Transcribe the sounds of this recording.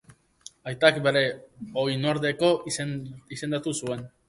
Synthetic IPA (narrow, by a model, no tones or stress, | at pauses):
ajt̪akbe̞ɾe̞o̞jnoɾðe̞ko̞ | ise̞nd̪at̪usue̞n